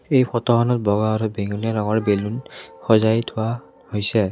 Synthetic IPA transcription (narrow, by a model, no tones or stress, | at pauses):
ejpʰɔtɔxɔnɔt̚bɔɡaːɹubeŋulijalɔɡɔɹbelunxɔzajtʰʊwa | hojsɛ